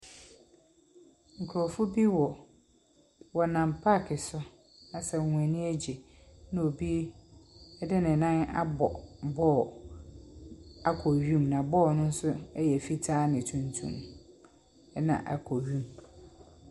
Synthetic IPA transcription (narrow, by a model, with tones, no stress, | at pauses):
ŋ̩˨kʰɔ˨fʊ˦bi˦wɔ˨ | wɔ˨nã˨mpʰa˦˨kʰɪ˨sʊ˦ | nã˨sɛ˨ŋʷ˨ɛ̃˨nĩ˦æ˦d͡ʑɛ˨ | nʊ̃˦o˨bi˦ | ɛ˦dɪ˦nɪ̃˨nã˦na̰˦bɔ˨bɔː˦˨ | a˨kʰɔ˨ɥĩ˦mnã˨bɔː˦˨nʊ̃˦n̩˦sʊ˦ɛ˦jɛ˨fi˦tʰaː˦nɪ̃˨tʰũ˨ntʰṵ̃˦m˦ | nã̰˨ʔa̰˨kʰɔ˨ɥĩ˦m